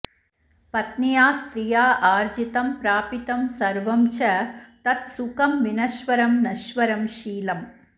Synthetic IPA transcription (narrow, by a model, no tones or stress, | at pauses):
pɐt̪nijaːst̪ɾijaːʔaːɾd͡ʒit̪ɐmpɾaːpit̪ɐmsɐɾʋɐmt͡ʃɐt̪ɐt̪sukɐmːinɐʃʋɐɾɐmnɐʃʋɐɾɐmʃiːlɐm